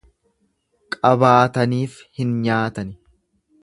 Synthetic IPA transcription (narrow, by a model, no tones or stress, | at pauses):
kʼɐbaːt̪ɐniːf | hɪnɲaːt̪ɐnɪ